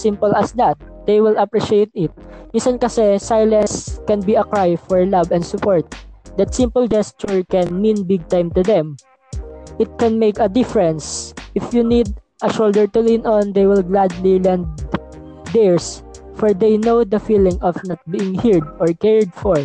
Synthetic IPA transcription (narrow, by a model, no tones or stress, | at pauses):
sɪ̃mpɔlɐsd̪at̪̚d̪̥ejwɪlɐpɹiʃejt̪̚ɪt̪̚mĩnsankɐsɛsajlɐ̃nskɛ̃nbiɐkɹajfɔɹlabɛ̃nd̪sʊpɔɹt̪̚d̪ɐt̪sɪ̃mpəld͡ʒɛst͡ʃʊɹkɛ̃nmĩnbɪɡ̚t̪ãjmt̪ʊd̪ɛ̃m | ʔɪt̪̚kɛ̃nmejkɐd̪ɪfɛɹɛ̃nsʔɪfjunid̪̚ | ʔɐʃold̪ɛɹt̪ʊlĩnɔnd̪ejwɪlɡlad̪lilɛ̃nd̪ | d̪ɛɹs | fɔɹd̪ejnowd̪ɐfilɪ̃ŋɔfnat̪̚biɪ̃ŋhiɹd̪̚ɔɹkɛɹd̪̚fɔɹ